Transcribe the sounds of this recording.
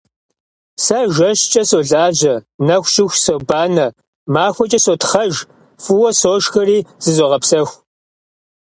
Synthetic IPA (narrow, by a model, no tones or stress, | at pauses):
sɐʒɐʃt͡ʃʼɐsoːɮaːʑɐnɐxʷʃʼɪxʷsoːbaːnɐ | maːxʷɔt͡ʃʼɐsotχɐʒ | fuwɐsoːʃxɐriːz̥ɨzoʁɐpsɐxʷ